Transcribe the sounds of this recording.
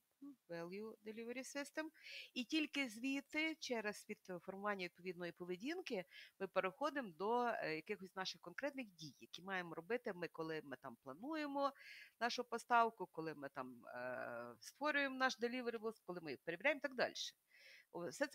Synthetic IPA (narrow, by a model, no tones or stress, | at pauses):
ʋɛlˠjud̪elʲiʋeɾʲisɪst̪ɛmitʲilʲkɪzʲʋʲit̪ɪt͡ʃɛɾɐsʋʲid̪̥fɔrmʊʋɑnʲːɐʋʲid̪̚pɔʋʲid̪nɔjipɔʋedʲinkɪmɪpeɾɪxɔd̪ɪmd̪ɔjɐkɪxɔsʲnɑʃɪxkɔnkɾɛt̪nɪxdʲijːɐkʲimɑjemɔɾɔbɪt̪ɪmɪkɔlˠɪmɪt̪ɑmplˠɐnujemɔnɑʃʊpɔst̪ɑwkʊkɔlˠɪmɪt̪ɑm̰ | st̪ʋɔɾʲʊjemnɑʃd̪elʲiʋeɾʲiʋˠskɔlˠɪmɪpeɾeʋʲiɾʲæjemt̪ɑɡd̪ɑ̰lʲʃɛ̥ | sɛt̪s